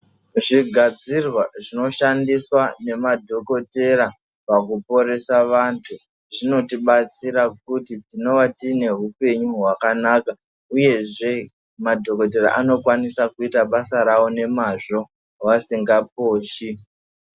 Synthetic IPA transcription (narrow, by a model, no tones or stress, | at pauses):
ʐiɡʱad͡zirwaʐino̞ʃandiswane̞madʱo̞ko̞te̞ɾa | pakupo̞ɾe̞saʋantʰu | ʐino̞tiɓat͡siɾakutitino̞ʋatine̞ɦupe̞ɲuɦwakanaka | uje̞ʐe̞ | madʱo̞ko̞te̞ɾa̰ʔano̞kwanisakuitaɓasaɾawo̞ne̞maʐo̞ | wasiŋɡap̚oːʃi